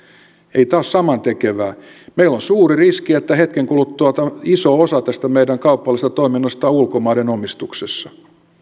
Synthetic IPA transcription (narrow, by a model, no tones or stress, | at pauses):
eit̪ɑːssɑmɑnt̪ekeʋæː | meilːonsuːririskiet̪ːæhet̪keŋkulut̪tːuɑt̪ɑisoosɑt̪æst̪æmeidæŋkɑupːɑlːˑist̪ɑt̪o̞iminːɑst̪ɑulkomɑːdenomist̪uksesːɑ